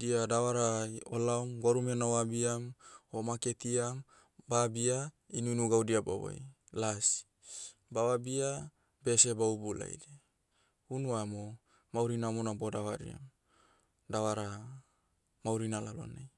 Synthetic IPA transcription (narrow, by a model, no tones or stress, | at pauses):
diadawaɾaolaumɡoɾumenawabiamomaket̪iam | babia | inunuɡaudiaba̰wa̰j̰ | lasi̥ | bawabia | besebaubula̰ḭde | unuamo | mauɾinamonabodawaɾḭa̰m | dawaɾa | mauɾinalalo̰naj